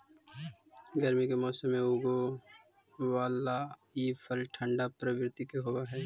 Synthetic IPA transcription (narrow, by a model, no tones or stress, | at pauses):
ɡəɾmikemɔːsəmːẽuɡo | waːlaiːfʰəlʈʰə̃ɳɖapɾəʋɾɪt̪ikeɦoːɡaɦɛː